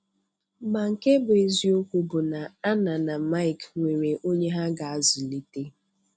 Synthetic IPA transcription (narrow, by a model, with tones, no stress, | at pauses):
ma˨ŋ̩˨ke˦bʊ˨e˨zi˦o˦kʷu˦bʊ˨na˨a˦na˨na˨ma˦i˨kŋʷe˨ɾe˨ʔo˦ɲe˦ɦa˦ɡa˨a˦zi˨li˦te˦